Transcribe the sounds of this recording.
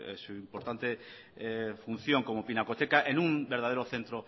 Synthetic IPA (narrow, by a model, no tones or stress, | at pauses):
ḛsuimpoɾt̪ant̪e | fun̟θjoŋkomopinakot̪ekaʔenũmbeɾð̞aðeɾoθent̪ɾo